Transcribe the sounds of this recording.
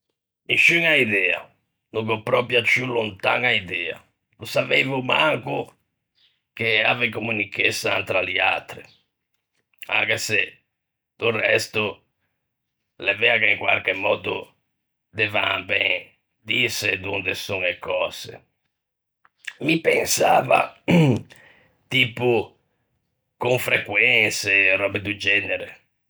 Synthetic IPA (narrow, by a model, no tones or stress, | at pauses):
iʃːyŋaiðɛːa̰ | nukɔpːɾɔpjat͡ʃːulunt̪a̰ŋaiðɛːa̰ | lusavevumaŋku | k̟eaːvekomːunikːesant̪ɾalia̰t̪ːɾi | a̰ŋkɛse | d̪̥urɛst̪u | lɛvɛakeiŋkwa̰lk̟emːɔːd̪ṵ | d̪ɛvambɛŋ | d̪ised̪und̪esuŋekʰɔːsḛ | mipɛnsa̰ːva̰ | t̪iːpu | koɱfɾɛkwɛnserɔbed̪ud͡ʒɛːnɛɾe